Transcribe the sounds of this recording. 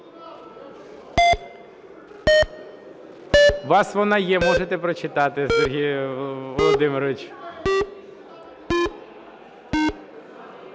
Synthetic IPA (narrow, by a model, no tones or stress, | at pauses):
ʋɑsʋɔnɑjɛmɔʒet̪ɛpɾɔt͡ʃɪt̪ɑt̪ɪsɔɾɦijʋɔlˠɔd̪ɪmeɾɔʋɪt͡ʃ